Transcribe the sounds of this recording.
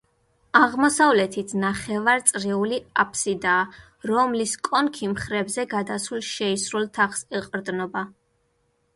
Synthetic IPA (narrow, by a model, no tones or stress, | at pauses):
aʁmɔsavlɛt̪ʰit̪ʰnaχɛvaɾt̪sʼɾɛuliapʰsid̪aː | ɾɔmliskʼɔnkʰimχɾɛbzɛɡad̪asulˠʃɛisɾulˠt̪ʰaχsɛqʼɾd̪nɔba